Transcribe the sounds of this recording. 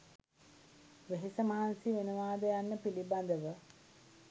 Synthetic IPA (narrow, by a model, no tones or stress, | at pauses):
ʋeɦisəmaːansiʋenuʋaːd̪əjanːəpiliband̪əʋə